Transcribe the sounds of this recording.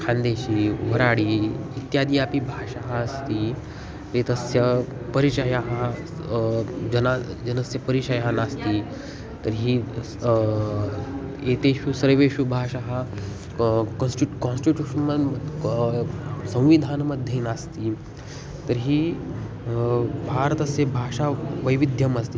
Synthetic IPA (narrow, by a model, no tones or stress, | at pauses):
kʰãnd̪eːʃiːɦɐɾaːɽiːit̪jaːd̪ijaːpibʱaːʃaɦɐːst̪i | t̪ɾet̪ɐsjɐ | pɐɾit͡ʃajaɦɐ | d͡ʒɐnad͡ʒɐnɐsjɐpɐɾit͡ʃajaɦɐnast̪i | t̪ɐɾɦi | eːt̪eːʃusɐɾʋeːʃubʱaːʃaɦɐ | kɐnsʈiʈkɔnsʈiʈʲjuːʃɐnmɐ | sɐ̃w̃ʋid̪ʱaːnɐmɐd̪ʱjenaːst̪i | t̪ɐɾɦi | bʱaːɾɐt̪ɐsjɐbʱaːʃaːʋɐjʋid̪ʱjɐmɐst̪i